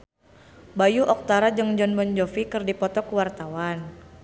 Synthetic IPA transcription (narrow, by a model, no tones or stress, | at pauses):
bajuʔɔk̚t̪aɾad͡ʒɨŋd͡ʒɔnbɔnd͡ʒɔfikɨrdipɔt̪ɔkəwart̪awan